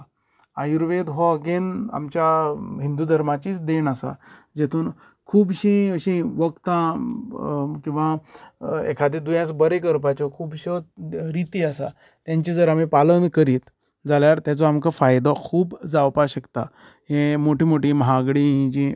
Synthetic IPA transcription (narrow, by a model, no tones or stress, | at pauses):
ajuɾʋed̪ɦɔɡena̰mt͡ɕjaɦind̪ud̪ʱəɾmat͡ɕiːt͡sd̪enasa̰d͡ʑet̪ʰuːn | kʰuːbɕĩəɕĩʋəkt̪ã | kĩw̃ʋa | ḛkʰad̪ed̪ujãsbəɾekəɾpat͡ɕɔkʰuːbɕɔɾit̪iːasa̰ | t̪jãɲt͡ɕid͡zəɾamipalənkəɾiːt̪ | d͡zaljaɾt̪jat͡sɔamkafajd̪ɔkʰuːbd͡zawpaɕəkt̪a | ɦẽmoʈimoʈiːmɦaɡɽiɦĩd͡ʑĩ